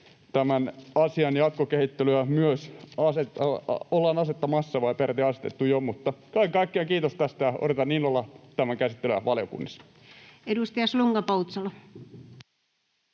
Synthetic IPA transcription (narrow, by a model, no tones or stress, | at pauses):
t̪æmænɑsiɑnjɑt̪̚kokehit̪ːelyæmyøsɑsetɑolːɑːnɑset̪ːɑmɑsːɑʋɑipert̪iɑse̥t̪ḛt̪ːujomut̪ːɑkɑikɑikːeɑŋkiːt̪ost̪æst̪æjɑʔo̰ret̪ɑniːnolːɑt̪æmæŋkæsit̪ːelyæ̰ʋɑljo̰kṵnːɑs | edust̪ijɑsluŋɡ̥ɑpout̪sɑlo